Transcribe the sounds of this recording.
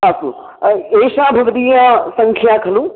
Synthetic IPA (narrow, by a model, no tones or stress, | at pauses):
asṵ̃ | eːʃãːbʱɐɡd̪ijãsɐ̃ŋkʰijakʰɐlũː